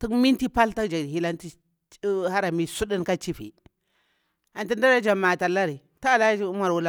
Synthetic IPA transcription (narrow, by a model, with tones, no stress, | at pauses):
ti˦kmi˦nti˦pa˦lta˦d͡ʒa˨i˦la˦nti˦ | ha˦ɾa˨mi˦su˦di˦nka˦t͡ʃi˦fḭ˨ | a˨nti˦nda˦ɾa˦d͡ʒa˨ma˨ta˨la˦ɾi˨ | ta˦˨la˦ma˨ɾwu˦la˦